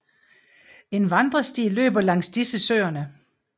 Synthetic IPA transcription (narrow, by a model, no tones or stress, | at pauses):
e̝nʋɑ̈nd̥ʁɐsd̥ḭːlø̰ːb̥ɐlɑŋ̰sd̥isəsø̰ːɐnə